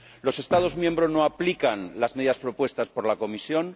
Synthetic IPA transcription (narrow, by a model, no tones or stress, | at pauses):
lo̞se̞st̪að̞ozmjẽ̞mbɾoznoaplikanlazme̞ðiðaspɾo̞pwe̞st̪aspo̞ɾlako̞misjo̞n